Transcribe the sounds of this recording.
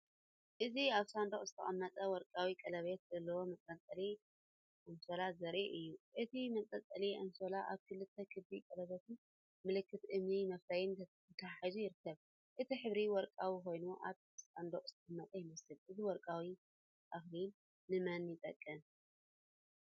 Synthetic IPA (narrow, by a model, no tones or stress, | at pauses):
ʔɨziaβsand̪okʼzɨ̥t̪ʰɐχʼɐmːɐt̪ʼɐwɔɾkʼawikʼɐlɐβet̪̚zɐlːɐwomɐkʼɐt͡s̪ʼɐli | ʔɐnso̞lazɐɾʔiʔɨjːuʔɨt̪ʰimɐkʼɐt͡s̪ʼɐliʔɐnsolaʔaβkʰɨlɨt̪ʰːɐkʰɨbikʼɐlɐβet̪ʰɨn | mɨlɨkʰːɨt̪ʔɨmnimɐflajɪnʰ | ɐt̪ʰaħizujɪɾɨkʰːɐβ | ʔɨt̪ʰiħɨβɾiwɔɾkʼawiko̞jnuʔa̰β | sand̪oχʼz̥ɨt̪ʰɐkʼɨmːɐt̪ʼɐjɪmɐsɨlʔɨziwɔɾkʼawi | ʔaxlinː | ɨmɐnjɪt̪ʼɐ̰kʼːɨn